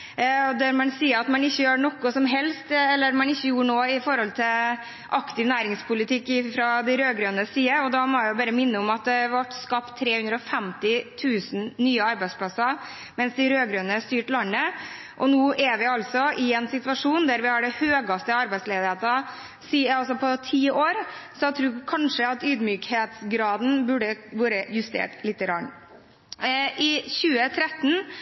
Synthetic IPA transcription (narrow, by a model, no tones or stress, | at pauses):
ɔd̪æɾmɛnsiːəɑt̪mɛnɪçːəjøːnɔkːɔsɔmɦɛlst̪ɛlːəɾmɛnɪçːəjuːɳoːɪfɔɾɔlt̪ʰɪ | ʔɑkt̪ɪʋnæːɾɪŋspʰʊlɪt̪ʰɪkːɪfɾɑd̪ɛɪɾøːɡɾøːnəsiːəɔd̪ɑmɔæʊbɑːɾəmɪnːəɔmɑt̪̚d̪ɛʋɑʈːskɑpt̪ʰːɾeːhʉnd̪ɾəɔfɛmt̪ɪt̪ʰʉːsn̩nyːəɑɾbæɪspʰlɑsɑ | mɛnsd̪ɪɾøːɡɾøːnəst̪yːʈlɑnːə | ʔɔnuːʔæʋɪɑlsɔʔɪɛnsɪt̪ʋɑʂuːnd̪æɾʋɪhɑɖɛhøːɡɑst̪əɑɾbæɪsleːd̪ɪheːt̪ɑ | siːɑlsɔpʰɔt̪ʰiːoːɾsɔt̪ʰɾuːkʰɑnʂəɑt̪yːd̪myːkheːt̪sɡɾɑːd̪n̩bʉɖəʋøːɾəjʉst̪ḛːʈlɪt̪ːəɾɑːɳ | ʔɪçʉːət̪ʰɾɛt̪ːn̩